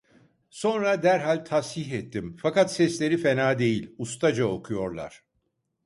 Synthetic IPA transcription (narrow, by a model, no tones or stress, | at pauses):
so̞nɾad̪æɾɦalʲt̪ʰashiɦɛt̪ʰːimfakat̪sɛslʲe̞ɾife̞naːd̪e̞jilʲust̪ʰad͡ʒao̞kʰujo̞ɾlˠa̰ɾ̥